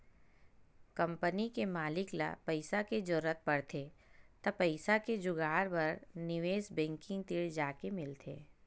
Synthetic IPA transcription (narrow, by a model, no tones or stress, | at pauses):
kɐ̃mpənikemaːlɪkla̰pɐɪsaked͡ʒʊɾət̪̚pɐɽt̪ʰet̪ɐpɐɪsaked͡ʒʊɡaːɾbɐɾnɪʋeːsbɛ̃ːŋkɪ̃ŋɡt̪ɪɽd͡ʒaːkemɪlt̪ʰḛː